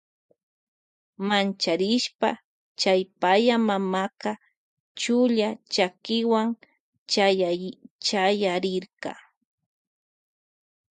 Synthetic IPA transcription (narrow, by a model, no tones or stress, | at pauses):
mant͡ʃaɾɪʃpa̰ | t͡ʃajpajamamakɑ | t͡ʃʊʎat͡ʃakɪwaŋ | t͡ʃajat͡ʃajaɾɪɾqɑ̰